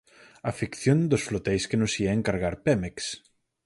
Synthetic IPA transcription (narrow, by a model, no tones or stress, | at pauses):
afikθjond̪ʊsflot̪ɛjskenʊsiaeŋkaɾɣaɾpɛmeks